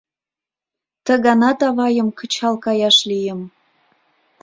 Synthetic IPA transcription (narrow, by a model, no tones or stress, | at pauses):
t̪ə̆ɣɑnɑt̪ɑβɑjəmkə̆t͡ɕɑlkɑjɑʃlijəm